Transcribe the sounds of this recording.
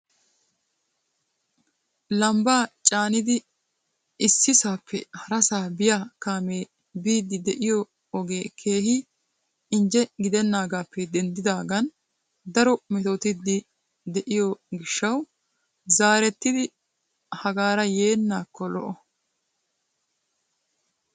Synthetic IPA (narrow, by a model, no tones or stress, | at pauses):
lɐmbaːt͡ʃʼaːnɪd̪ɪ | ɪsːɪsaːpːɛhɐɾɐsaːbɪjaːkaːmeː | biːd̪ːɪd̪ɛʔɪjɔ | ɔɡe̞ːkʰe̞ːhɪ | ɪnd͡ʒɛɡɪd̪ɛnːaːɡaːpːɛd̪ɛnd̪ɪd̪aːɡɐn | d̪ɐɾɔmɛt̪oːt̪ɪd̪ːɪ | d̪ɛʔɪjɔɡɪʃːɐw | zaːɾɛt̪ːɪd̪ɪ | hɐɡaːɾɐjeːnːaːkːɔlɔ̰ʔɔ